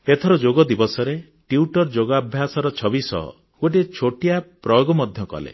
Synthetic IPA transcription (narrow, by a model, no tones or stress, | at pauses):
et̪ʰɔɾɔd͡ʒoɡɔd̪ibɔsɔɾe | ʈiuʈɔɾd͡ʒoɡabʱjasɔɾɔt͡ʃʰɔbisɔ̰ɦɔ̰ | ɡoʈ̬it͡ʃʰoʈijapɾɔjoɡɔmɔd̪ʱjɔkɔ̰lḛ